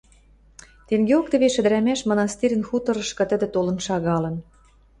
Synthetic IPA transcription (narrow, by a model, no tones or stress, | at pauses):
t̪eŋɡeok̚t̪ə̆βeʃɘ̆d̪ɘ̆ɾæmæʃmŏnɑst̪iɾʲə̆nxut̪ɤ̆ɾɤ̆ʃkɤ̆t̪ə̆d̪ĕt̪olɤ̆nʃɑɣɑlɤ̆n